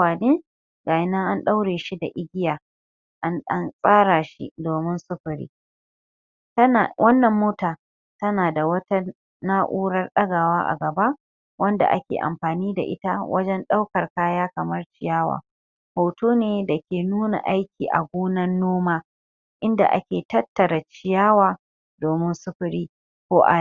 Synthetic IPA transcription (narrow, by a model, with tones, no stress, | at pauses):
aː˨neː˦ | ɡaː˨jɪ˦na˦ʔa˦nɗa˦wɽeː˨ʃi˦da̰˨ʔɪ˦ɡʲɪ˦jaː˨ | ʔa˦nsʼaː˦ɽa˨ʃḭ˦doː˨mɪ˦nsʊ˦ɸɪ˨ɾḭː˦˨ | wɐ˦nːɐ˨mːoː˦taː˨ | tɐ˦naː˨da˨wɐ˦ta˦ | naː˦ʔuː˦ɽɐ˦rɗɐ˦ɡa˨waː˦ʔa̰˨ɡɐ˨ba˦ʔ | wɐ˦nda̰˨ʔa̰˦kʲḛː˨ʔa̰˨mɸaː˨niː˦da̰˨ʔɪ˦ta˦wʔɐ̰˦d͡ʒɛ˦nɗa˦wkɐ˨rkaː˦jaː˦kɐ˨mɐ˦rt͡ʃɪ˨jaː˦wa̰ː˨ | hoː˨toː˦neː˦da˨kʲeː˨nuː˦na̰˨ʔa˦jkʲiː˨ʔa̰˨ɡʷoː˦nɐ˦nːoː˦maː˦ | ʔɪ˦nda̰˨ʔa̰˦kʲeː˨tɐ˦tːɐ˨ɾɐ˨t͡ʃɪ˨jaː˦waː˨ | doː˨mɪ˦nsʊ˦ɸʊ˨ɾiː˦ | kʷoː˦ʔa̰˨˦